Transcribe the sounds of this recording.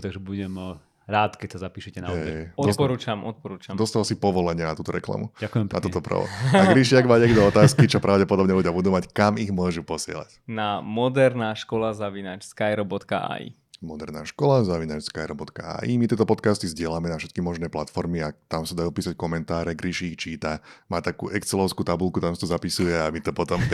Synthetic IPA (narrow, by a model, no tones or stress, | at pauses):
t̪aɡʒɛbuɟɛm | ɾaːt̪kɛcsazapiːʃɛcɛnaɛɔɔpɔɾuːt͡ʃamʔɔt̪̚pɔɾuːt͡ʃad̪ɔst̪alsipɔʋɔlɛɲɪɛnat̪uːt̪ɔɾɛ̰kla̰mṵakujɛmat̪uːt̪ɔpɾ̰ʋɔ̰aɡɾiʃɪaɡmaɟɛɡd̪ɔɔt̪aːskit͡ʃɔpɾaʊɟɛpɔd̪ɔbɲɛluɟɪabud̪uːmackamiɣmʊɔʒupɔsɪɛ̰la̰cnamɔd̪ɛɾnaːʃkɔlazaʋinat͡ʃskajɾɔbɔt̪ka̰ʔa̰ḭ | mɔd̪ɛɾna̰ːʃkɔlazaʋinat͡ʃskajɾɔbɔt̪ka̰a̰ːʔimit̪ɪɛːt̪ɔpɔt̪kast̪izɟɪɛlamɛnafʃɛt̪kimɔʒnɛːplat̪fɔɾmiat̪amsad̪ajupiːsackɔmɛnt̪aːɾɛɡɾiʃiːxt͡ʃiːt̪amaːt̪akṵːʔɛkt͡sɛlɔʊskuːt̪abulkut̪amsḁt̪ɔzapisujɛamit̪ɔpɔt̪ɔm